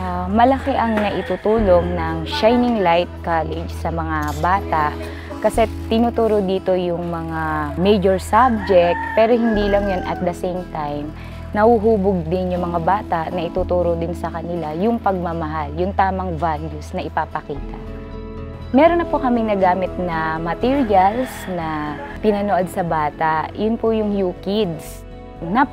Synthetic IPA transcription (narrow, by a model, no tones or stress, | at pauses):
ʔamɐlɐkɛʔɐŋnɐʔɪt̪uːt̪uːlo̞ŋnɐŋʃajnɪŋlajt̪̚kalɛd͡ʒsɐmɐŋabaːt̪aʔ | kɐsɛ | t̪ɪnuːt̪uːɾod̪iːt̪o̞jʊŋmɐŋamɛjd͡ʒoɹsab̚d͡ʒɛk̚t̪̚pɛːɾo̞hɪnd̪iːlɐŋjonʔɐt̪̚d̪ɐsejmt̪ajm | nɐhuɦuːbʊɡ̚d̪ɪnjʊŋmɐŋabaːt̪aʔnɐʔɪt̪uːt̪uːɾod̪ɪnsɐkɐnɪlajʊŋpɐɡ̚mɐmɐɦaljʊŋt̪aːmɐŋvaljʊsnɐʔɪpaːpɐkiːt̪ɐ̰ʔ | mɛːɾonːɐpokɐmɪŋnɐɡaːmɪt̪̚nɐmɐt̪iɹjɐlsnɐpɪnɐnoʔod̪̚sɐbaːt̪aʔjʊnpʊjʊŋjuːkid̪s | nɐ